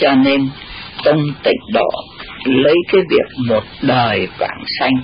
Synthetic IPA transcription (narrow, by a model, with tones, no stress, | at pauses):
t͡ɕɔ˧ne˧nt̪ə˧wŋ͡mt̪ḭ̈˧˨ŋ̟ɗɔ˧˦lə˨˦jkaː˨˦jvi˨˩ək̚mo˨˩t̚ɗəː˨˩jkwa̰ː˧˩ŋsa˧jŋ̟